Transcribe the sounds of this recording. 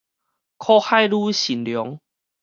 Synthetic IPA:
kʰɔ˦xa˥˦jlu˦ɕi˨˩nljɔ˨˦ŋ

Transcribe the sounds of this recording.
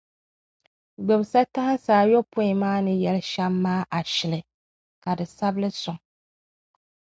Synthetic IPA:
ɡ͡bɛ˨bsa˦ta˦hɪ˦n˦saː˨˦˨jɔ˦pʊ˦i˨maː˦nɨ˦jɛ˨lɨ˦ʃa˦mːaː˦ʔa˨ʃɪ˨lɨ˨ | ka˨dɨ˨sa˦bɨ˦lɨ˦sʊ˨ŋ

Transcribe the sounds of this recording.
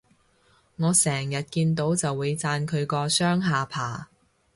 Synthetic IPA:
ŋɔː˨˧sɛː˨˩ŋjɐ˨t̚kiː˧nt̪o˨˧˥wt͡sɐ˨wːuː˨˧jt͡saː˧nkʰɵ˨˧ɥkɔː˧sœː˥ŋɦaː˨pʰaː˨˩

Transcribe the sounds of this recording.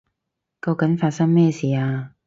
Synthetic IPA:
kɐ˧wkɐ˨˥nfaː˧t̚sɐ˥ŋmɛː˥˩siː˨˩aː˧

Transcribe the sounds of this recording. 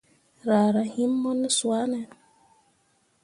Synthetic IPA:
ɾa˨ɾa˨hi˦mːɔ˦nɛ˦swa˦nɛ˨

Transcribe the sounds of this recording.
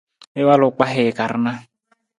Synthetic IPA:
ɪ˦wa˦lʊ˨k͡pa˦ɦɪ˨ka˨ɾna˦

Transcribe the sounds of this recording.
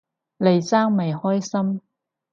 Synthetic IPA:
le˨˧jt͡saː˥ŋme˨jhɔː˥jsɐ˥m

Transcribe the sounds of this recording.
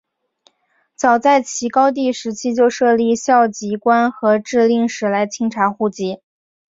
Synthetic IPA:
t͡sɑ˨˩ʊt͡sa˥˩ɪt͡ɕʰi˧˥kɑ˥ʊt̪̬i˥˩ʂɻ̩˧˥t͡ɕʰi˥t͡ɕjo˥˧ʊʂɤ˥˧li˥˧˩ɕjɑ˥˩ʊt͡ɕi˧˥kwa˥nxɤ˧˥ʈ͡ʂɻ̩˥˧li˥˩ŋʂɻ̩˧˥la˧˥ɪt͡ɕʰi˧˥ŋʈ͡ʂʰa˧˥xu˥˩t͡ɕi˧˥

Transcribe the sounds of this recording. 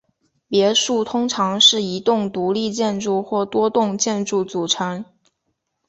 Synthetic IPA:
pjɛ˧˥ʂu˥˩t̪ʰʊ˥ŋʈ͡ʂʰɑ˧˥ŋʂɻ̩˥˩i˧˥t̪ʊ˥˩ŋt̪u˧˥li˥˧t͡ɕjɛ˥˧nʈ͡ʂu˥˧xwɔ˥˩t̪wɔ˥t̪ʊ˥˧ŋt͡ɕjɛ˥˧nʈ͡ʂu˥˩t͡su˨˩ʈ͡ʂʰɤ˧˥ŋ

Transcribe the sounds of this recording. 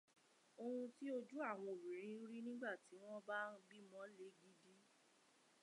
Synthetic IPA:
o˧hũ˧ti˦o˧d͡ʒu˦a˦˨w̃ɔ̃˧o˨bi˨ɾ̃ĩ˨˧˦ɾi˦nĩ˦ɡ͡ba˦˨ti˨˦w̃ɔ̃˦bã˦˧ɡ͡bi˦mɔ̃˨˦le˨˦ɡi˦di˦

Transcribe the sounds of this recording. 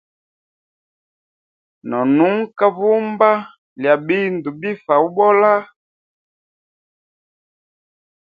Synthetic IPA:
nɔ˨nu˦ŋ̩˦ka˦βu˦mba˦ | lja˨bi˦ndu˨bi˦fa˨u˦ɓɔ˦la˦

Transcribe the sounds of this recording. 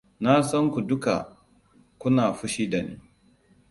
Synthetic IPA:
na˦sɐ˦ŋkʷu˨dʊ˦ka̰˨ | kʷʊ˦naː˨ɸʊ˦ʃiː˦da˨nḭː˦

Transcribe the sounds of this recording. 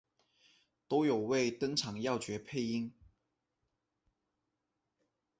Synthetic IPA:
t̪o˥ʊjo˨˩ʊwe˥˩ɪt̪ɤ˥ŋʈ͡ʂʰɑ˨˩˦ŋjɑ˥˨ʊt͡ɕɥɛ˨˥pʰe˥˧ɪi˥ŋ

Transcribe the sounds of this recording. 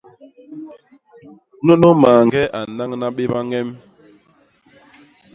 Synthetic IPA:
no˦no˦maː˨ŋɡɛ˦ʔa˨na˦ŋna˦ɓe˦ba˦ŋɛ˦m

